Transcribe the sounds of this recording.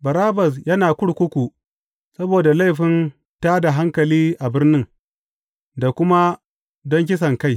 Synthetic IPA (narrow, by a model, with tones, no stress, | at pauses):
bɐ˨ɾaː˦bɐ˨s̬jɐ˦naː˨kʷʊ˦ɽkʷʊ˦kʷu˨ | sɐ˦boː˨da˨la˦jɸɪ˦n | taː˦da˨ɦa˦ŋkɐ˨liː˦ʔa˨bɪ˦rnɪ˦ŋ | da˨kʷʊ˦ma˦ | dɔ˦ŋk̬ʲɪ˦s̬ɐ˨ŋka˦˨j